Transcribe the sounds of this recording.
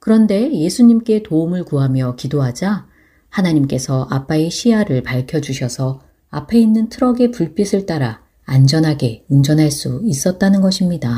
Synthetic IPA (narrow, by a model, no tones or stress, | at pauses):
kɯɾʌnde̞je̞sʰuɲimk͈e̞toumɯɭkuɦamjʌkidoɦad͡ʑa | hanaɲimk͈e̞sʰʌʔap͈aeɕʰiɦaɾɯɭpaɭkʰjʌd͡ʑuɕʰʌsʰʌ | apʰe̞inːɯntʰɯɾʌɡe̞puɭp͈isʰɯɭt͈aɾa | and͡ʑʌnɦaɡe̞und͡ʑʌnɦaɭs͈uis͈ʌt̚t͈anɯnɡʌɕʰimɲida